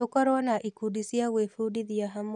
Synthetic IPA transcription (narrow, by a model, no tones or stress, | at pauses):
okaɾwanaʔikudisiawefudiðiaɦam